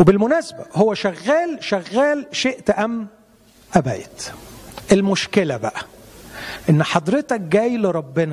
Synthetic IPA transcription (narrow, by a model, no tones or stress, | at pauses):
webɪlmʊnæːsæbæhowːæʃæɣːæːlʃæɣːæːlʃeʔt̪ʔæmː | ʔæbæ̰jt̪ʔelmoʃkelæbæʔæ | ʔenːħɑd̪ˤɾet̪æk̚ɡæːjleɾˤɑbːenæ